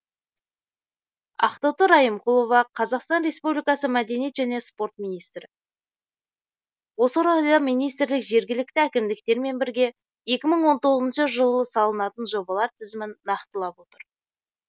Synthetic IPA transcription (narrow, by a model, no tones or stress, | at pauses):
ɑ̰qt̪ot̪əɾɑjəmqʰulˠo̞vɑqʰɑzɑqst̪ɑnɾe̞spublijkɑsəmæd̪e̞nijet̪ʒæne̞spo̞ɾt̪minijst̪ɾɪ | wo̞səɾod̪ɑmijnijst̪ɾlɪkʒe̞ɾɡʲɪlɪk̚t̪ɪækʲɪmd̪ɪk̚t̪e̞ɾme̞nbɪɾɡʲe̞ | je̞kʲɪməɴwo̞nt̪o̞ʁəzənʃəʒəlˠəsɑlˠənɑt̪ənʒo̞bɑlˠɑɾt̪ʰɪzɪmɪnːɑqt̪əlˠɑpwo̞t̪əɾ